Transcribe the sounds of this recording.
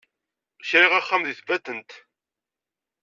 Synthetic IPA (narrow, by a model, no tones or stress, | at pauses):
çɾiʁaχːamðiθvæt̪ːənt̪